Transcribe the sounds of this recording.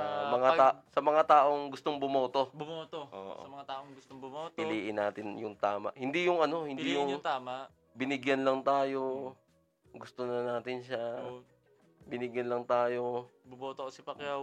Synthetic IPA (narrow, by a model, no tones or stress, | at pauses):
mɐŋaaːsɐmɐŋat̪aːʔo̞ŋɡʊst̪o̞ŋbʊmoːt̪o̞bʊmoːt̪oo̰ːʔɐmɐŋat̪aːʔoŋɡʊst̪oŋbʊopɪliːʔɪnaːt̪ɪnjʊŋt̪aːma̰ʔhɪnd̪ijʊŋɐno̞hɪnijʊŋt̪aːma | bɪnɪɡjɐnlɐŋt̪aːjo̞ | ɡʊst̪onɐnaːt̪ɪnʃa | bɪnɪɡjɐnlɐŋt̪aːjo̞bʊmoːt̪osɪpɐkjaw